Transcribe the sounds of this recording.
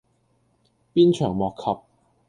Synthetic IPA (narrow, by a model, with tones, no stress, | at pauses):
piː˥nt͡ʃʰœː˨˩ŋmɔː˨˩kʰːɐ˨p̚